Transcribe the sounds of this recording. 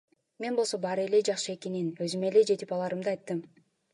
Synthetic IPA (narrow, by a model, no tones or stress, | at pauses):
me̞nbolˠso̞bɑɾele̞d͡ʒɑχʃɯe̞keninø̞zyme̞le̞d͡ʒe̞t̪ipɑlˠɑɾɯmd̪ɯɑjt̪ːɯm